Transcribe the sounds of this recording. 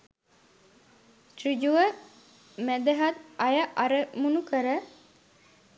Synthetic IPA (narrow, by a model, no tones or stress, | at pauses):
t̪rid͡ʒuʋə | mæd̪eɦat̪ɐjəʔaɾəmunukəɾə